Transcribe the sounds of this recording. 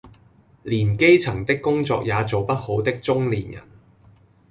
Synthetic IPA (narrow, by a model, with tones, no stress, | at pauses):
liː˨˩nke˥jt͡sʰɐ˨˩ŋt̪ɪ˥kːʊ˥ŋt͡sɔ̰ː˧k̚jaː˨˧t͡so˨wpɐ˥t̚ho˨˥wt̪ɪ˥k̚t͡sʊ˥ŋliː˨˩njɐ̰˨˩n